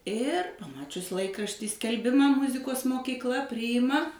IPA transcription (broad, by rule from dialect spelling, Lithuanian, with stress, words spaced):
ɪr pɐˈmɑːt͡ʃʲʊs ˈlˠɐɪkrɐʃʲtʲiː sʲkʲɛlʲˈbʲɪmɐ ˈmʊzʲɪkoːs moːkʲiːkˈlˠɐ ˈpʲrʲiːɪmɐ